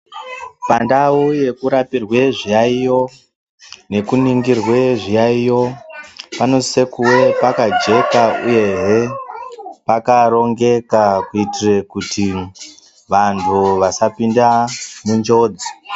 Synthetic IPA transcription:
pandawuje̞kuɾapirwe̞ʐijaijo̞ | ne̞kuniŋɡirwe̞ʐijaijo̞pano̞se̞kuwe̞pakad͡ʒe̞kauje̞ɦe | pakaɾo̞ŋɡe̞kakuitire̞kuti | ʋantʰuʋasapindamund͡ʒo̞ːd͡zi

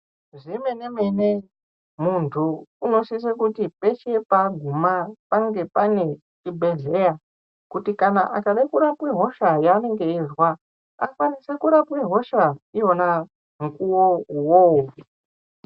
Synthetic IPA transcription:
ʐimenemene | muntʰuːno̞sis̬ekutipe̞t͡ʃepaɡʱumapaŋɡe̞pane̞ | t͡ʃibʱe̞ɮe̞ja | kutikanaʔakaɗakuɾapweɦo̞ʃajaːne̞ŋɡe̞iʐwa | a̰kwanisakuɾapweɦo̞ʃaijona | ŋkuwowowo

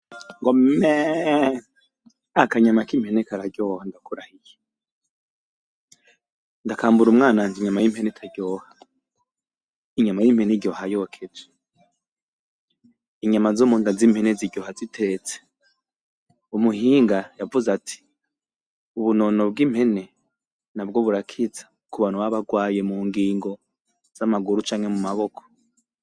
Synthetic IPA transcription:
ŋɡomme | akaɲamakim̥henekaɾaɟjoːhandakuɾahije | ndakaːmbuɾumŋaːnanziɲamajimhenetʰaɟjoːhḁ | iɲamajimheniɟjo̞ːhajokʰed͡ʒe̥ | iɲamazomuːndazimheneziɟjohazitʰe̞t͡se̥ | umuhiːŋɡajavuzatʰi̥ | uβunono̞b̚ɡim̥he̞ne̞ | nabɡoβuɾakʰit͡sḁ | kuβanowaβaɡwaːje̞muːŋɡiːŋɡo̞ | z̥amaɡuɾut͡ʃaːŋhe̞mumaβo̞kʰo̥

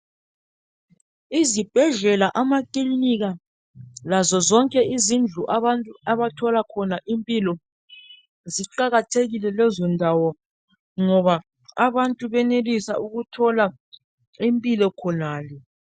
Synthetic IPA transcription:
izib̥ʱɛɮɛlaʔamakiiniɣa | lazɔzɔŋkʼɛizind͡ɮʱuʔaβantʼuaβatʰɔlakʰɔnaʔimpʼilɔ | ziǃaɣatʰeɣilɛlɛzɔndʱawɔ | ŋɔβa | aβantʼuβɛnelisa̰ʔuɣutʰɔla | impʼilɔkʰɔnaːlɛ

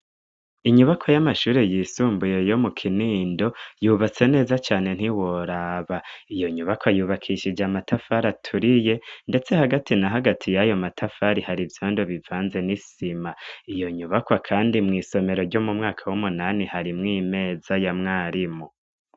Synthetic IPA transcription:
iɲuβakʰojamaʃuːɾejiːsuːmbuje̞jo̞mukʰiniːndo̞juːβat͡se̞ne̞ːzat͡ʃaːne̞n̥iwoɾaβaijo̞ɲuβakwajuːβakʰiʃid͡ʒamatʰafaɾatʰuɾije̞nde̞t͡se̞haɡatinaɦaɡatʰijajo̞matʰafaɾihaɾivjoːndoβivaːnze̞nisimaijo̞ɲuβakwakʰaːndimŋiːso̞me̞ɾo̞ɾɟo̞mumŋaːkʰawumunanihaɾimŋiːme̞ːzajamŋaːɾimo

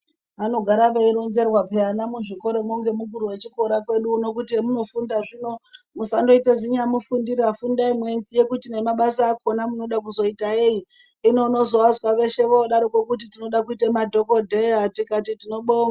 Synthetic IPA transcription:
ano̞ɡʱaɾaʋeiɾonze̞rwapeanamuʐiko̞ɾo̞moŋɡe̞muɡuɾuwe̞t͡ʃiko̞ɾakwe̞ɗuːno̞kutiemuno̞fundaʐino̞ | musando̞iteziɲamufundirafundaimwe̞nzije̞kutine̞maɓasaːko̞namuno̞ɗak̬uzo̞itaeji | ino̞no̞zo̞ʋazwaʋe̞ʃe̞ʋoɗaɾokwe̞kut̬itino̞ɗakuitemadʱo̞ko̞dʱeatikatitino̞ɓoːŋa

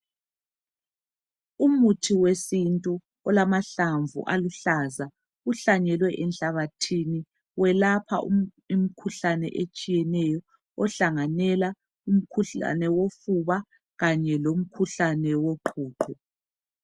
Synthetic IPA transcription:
umutʰiwesintʼu | ɔlamaɬaɱvṵʔaluɬaza | uɬaɲɛlwɛʔɛnɬaβatʰini | wɛlapʰa̰ʔu | im̩kʰuɬanɛ̰ʔet͡ʃʼijɛnɛjɔ | ɔɬaŋanɛla | um̩kʰuɬa̰nɛwofuβa | ɣaɲɛlom̩kʰuɬanɛwoǃʰuːǃʰɔ

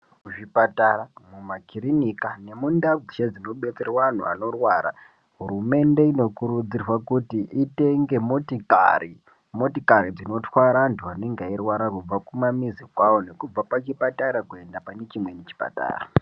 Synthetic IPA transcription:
uʐipataramumakirinikane̞mundaɡiʃad͡zino̞ɓe̞t͡serwan̤ṵa̰no̞rwaːɾa̰ | ɦuɾume̞nde̞ino̞kuɾud͡zirwakutiʔite̞ŋɡe̞motika̰i | mo̞tikaɾid͡zino̞twaɾantʰuane̞ŋɡairwaɾakub͡vakumamizikwawo̞ne̞kub͡vapat͡ʃipataɾakue̞ndapane̞t͡ʃimwe̞net͡ʃi̥pa̰ta̰ːra

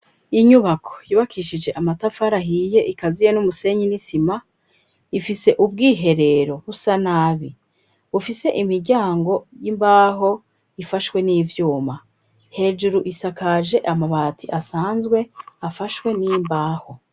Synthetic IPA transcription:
iɲuβakʰo̞̥juːβakʰiʃid͡ʒe̞ʔamatafaɾaɦije̞ʔikazijenumuse̞ɲinisima | ifise̞ʔub̚ɡiːɦe̞ɾe̞ɾo̞βusanaːβi | βufise̞ʔimiɾɟaːŋɡo̞jimbaːɦo̞ | ifaʃwe̞niːvjuːma | he̞ːd͡ʒuɾuʔisakaʒe̞ʔamaβatʰiʔasaːnzɡwe̞afaʃwe̞nijimbaːho̞

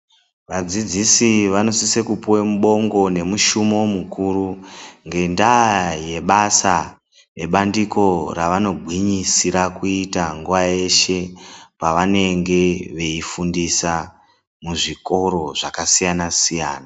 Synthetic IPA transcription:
ʋad͡zid͡zisiʋano̞sisekupuwemuɓo̞ŋɡo̞ne̞muʃumo̞mukuːɾuŋɡe̞ndaje̞ɓasa | ne̞ɓandiko̞raʋano̞ɡʱwiɲisiɾakuitaŋɡuʋaje̞ʃe̞paʋane̞ŋɡe̞ʋe̞ifundisa | muʐiko̞ɾo̞ʐakasijanasijaːna

